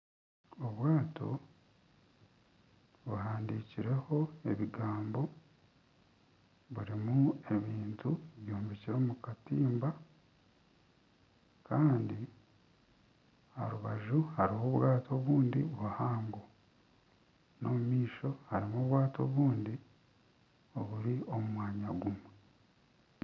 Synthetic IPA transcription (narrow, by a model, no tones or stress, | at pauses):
o̞βwaːtʰo̞̰ | βuɦaːndiciɾe̞ho̞e̞βiɡaːmbo̞ | βuɾimue̞βiːntueβjuːmbiciɾo̞ːmukatiːmba | kaːndi | ha̰ɾuβaʒuhaɾiho̞βwaːtʰo̞βuːndiβuhaːŋɡo | no̞mumiːʃo̞haɾimoβwaːto̞ːβuːndi | o̞βuɾio̞mumwaːɲaɡumwe